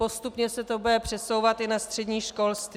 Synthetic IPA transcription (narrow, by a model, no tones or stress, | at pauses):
o̞st̪upɲɛsɛt̪obdɛpr̝̥ɛso̞wvat̪ɪnast̪r̝̥ɛdɲiːʃko̞lst̪v